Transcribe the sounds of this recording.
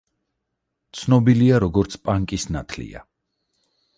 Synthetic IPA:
t̪sʰnɔbiliaɾɔɡɔɾt̪sʰpʼaŋkʼisnat̪ʰlḭa̰

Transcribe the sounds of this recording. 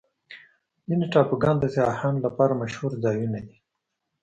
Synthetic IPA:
zineʈɑpuɡɑnd̪aseɑhɑnlapɑɾamaʃhuɾzɑjunad̪i

